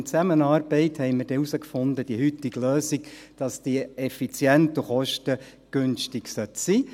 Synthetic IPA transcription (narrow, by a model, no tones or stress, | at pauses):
t͡sæmənɑːrb̥ɛɪt̪hɛɪmɪrd̥ɛusəkfʊnd̪əd̥iəhyt̪iɡløːsik | d̥ɑsd̪̥iɛfit͡sjɛnt̪uχɔʃtə | ɡ̥ønʃtiɡsœt̪siː